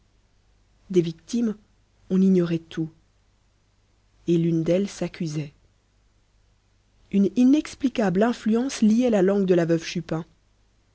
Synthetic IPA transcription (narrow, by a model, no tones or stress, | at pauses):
d̪evikt̪im | ɔ̃niɲɔʁɛt̪u | elynd̪ɛlsakʲʰyzɛ | yninɛksplikablɛ̃flyɑ̃sliɛlalɑ̃ɡd̪əlavœvʃypɛ̃